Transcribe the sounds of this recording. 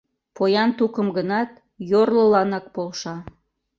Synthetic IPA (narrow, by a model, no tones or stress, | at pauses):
pojɑnt̪ukəmɡənɑt̪ | jorləlɑnɑk̚polʃɑ